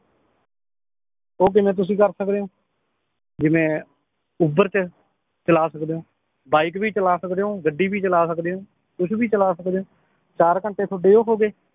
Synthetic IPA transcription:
oːk̬ɪmẽːt̪̬ʊs̬ĩːkəɾsəkd̪eːɦõː | d͡ʒɪmẽː | ʊbəɾt͡ʃə | t͡ʃəlaːsəkd̪eːõː | baːikbiːt͡ʃəlaːsəkd̪eːɦõːɡəɖːiːbiːt͡ʃəlaːsəkd̪eːɦõː | t̪ʊʃʰbiːt͡ʃəlaːsəkd̪eːõː | t͡ʃaːɾkəɳʈeːt̪ʰoɖeːoːɦoːɡeː

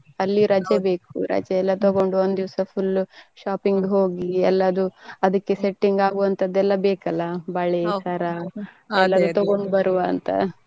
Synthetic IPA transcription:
ɐlːiɾɐd͡ʒɐbe̞ːkuɾɐ̰d͡ʒɐɛlːɐt̪oɡo̞ɳɖuond̪d̪iʋɐsɐpʰulːʃaːpiŋɡɦo̞ːɡiɛlːɐːd̪uɐd̪ɐkːeseʈːiŋɡaːɡuʋɐnt̪ɐd̪ːɛlːɐbeːkɐlːɐbɐɭesɐɾa | ɛlːɐd̪ut̪ɔɡo̞ɳɖbɐɾuʋaːnt̪ɐ̰

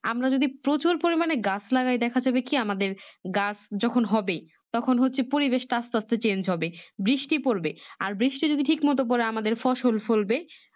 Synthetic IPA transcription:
a̰mɾad͡ʑod̪ipɾot͡ɕuɾpoɾimaneɡaslaɡajd̪ɛkʰad͡ʑabekiamad̪eɾɡasd͡ʑɔkʰonɦɔbe | t̪ɔkʰonɦotːɕʰepoɾibeʃt̪ast̪ast̪et͡ɕend͡ʑɦɔbebɾiʃʈipoɾbea̰ɾbɾiʃʈid͡ʑod̪iʈʰikmɔt̪̬op̬ɔɾeamad̪eɾfɔʃolfolbe

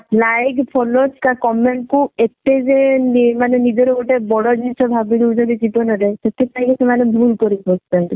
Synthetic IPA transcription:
lajkpʰɔlot͡ʃʰkakɔmeɳʈ̚kuet̪ed͡ʒenmanenid͡ʒɔɾɔɡoʈebɔɽɔd͡ʒit͡ʃʰɔbʱabiɾud͡ʒɔd̪id͡ʒit̪ɔnɔɾeset̪ʰek̚t̪aj̃kesemanebʱulkɔɾikʰɔstenʈ

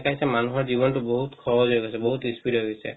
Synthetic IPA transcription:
kajsɛmanuɦɔɹzibɔntuboɦut̪kʰɔbɔzojɡasɛboɦut̪ɹispitɦɔjɡɔsɛ̰

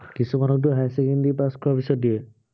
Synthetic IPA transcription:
kisumanɔk̚tuɦajsɛkendipaskɔapisɔt̚diɛ

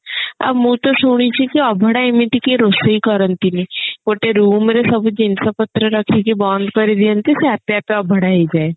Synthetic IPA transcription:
ɐ̰bmũt̪osʊɽ̃it͡ʃʰikiɐbʱəɽaɪmɪʈikeɾoːseikɐɾənt̪inikoːʈeɾuːmɾesɐbd͡ʒɪnsapɐt̪ɾəɾɐkʰekebãːnd̪kəɾid̪iə̃nt̪iseɐt̪japeɐbʱəɽaɦid͡ʒaːe

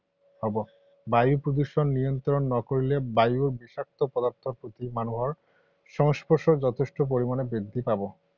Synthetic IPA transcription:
hɔbo | bajupɾod̪uʃonːijont̪ɾonːɔkoɾilebajuɾbiʃak̚t̪ʰopɔd̪aɾt̪ʰoɾpot̪imanuɦɔɾ | ʃɔŋspoɾʃod͡ʑɔt̪ʰeʃʈop̬oɾimanebɾed̪ʱːipabo

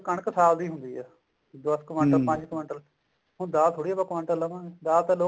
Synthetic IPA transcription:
kəɳksaːld̪iːɦʊ̃nd̪iːɛː | d̪əskəʋəɳʈəlpə̃ɲd͡ʒkʋə̃ɳʈəl | ɦʊ̃d̪aːt̪ʰoɽiːɛːbaːkʋə̃ɳʈələmãd̪aːt̪aːloː

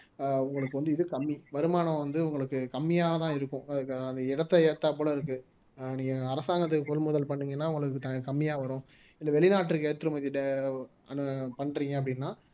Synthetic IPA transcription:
ʊŋɡɐɭɯkːɯʋɐnd̪ɯɪðɯkɐmːiʋɐɾɯmaːnɐ̃ʋɐnd̪ɯʊŋɡɐɭɯkːɯkɐmːɪjaːɣɐt̪ãːɪɾɯkːʊ̃ɐðɯkːɐnd̪ɐɪɽɐt̪ːɛeːt̪ːaːp̬oːɽɐɪɾɯkːɯ | niːŋɡɐːɾɐsaːŋɡɐt̪̬ːɯkːɯkɔlmʊðɐlpɐɳːiŋɡɐnːaːʋʊŋɡɐɭɯkːɯt̪ɐkɐmːɪjaːʋɐɾʊ̃ | ɪlːɐʋɛɭɪnaːʈːrɯkeːʈt̪ːɯɾɯmɐðɪɖ | ɐnɯpɐɳːɾiːŋɡɐɐp̬ːɐɽɪnːaː

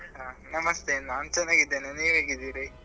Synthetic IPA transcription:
anɐmɐst̪enːaːnt͡ʃɛnːaːɡid̪ːeːneniːʋɦeːɡid̪iːɾi

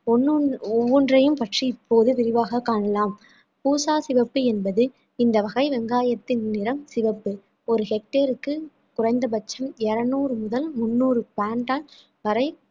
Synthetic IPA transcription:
ɔnːɯɔʋːɔndrɐjɯmpɐʈriɪpʰːoːðɯʋɪɾɪʋaːɣɐkːaːɳɐlaːm | puːsaːsɪʋɐpːɯɛnbɐðɯ | ɪnd̪ɐʋɐɣɐɪʋɛŋɡaːjɐt̪ːɪnnɪɾɐmsɪʋɐpːɯ | ɔɾɯhɛk̚ʈːeːɾɯkːɯ | kʊrɐɪnd̪ɐbɐt͡ʃːɐmɛɾɐnuːɾɯmʊðɐlmʊnːuːrɯpaːɳʈaːl | ʋɐɾɐɪ

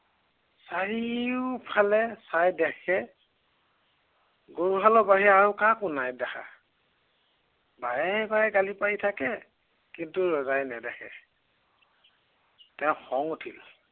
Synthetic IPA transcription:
saɹiʊpʰalɛsajdɛxʰɛ | ɡoɹuɦalɔbaɦiaɹukakunajdɛxa̰ | bajɛbajɛɡalipajtʰakɛ | kintuɹɔzajnɛdɛxʰɛ̰ | tɛʊ̃xɔŋutʰil

